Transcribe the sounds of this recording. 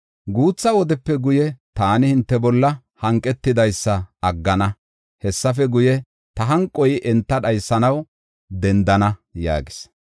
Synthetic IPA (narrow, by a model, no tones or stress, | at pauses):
ɡuːt͡sːɐwɔd̪ɛpːɛɡʊjɛt̪aːnɪhɪnt̪ːɛbɔlːɐ | hɐŋkʼːɛt̪ːɪd̪ɐjsːɐɐɡːɐnɐ | hɛsːɐf̬ɛɡʊjɛ | t̪ɐɦɐŋkʼːɔjʔɛnt̪ːɐᶑɐjsːɐnɐw | d̪ɛnd̪ɐnɐja̰ːɡɪ̥s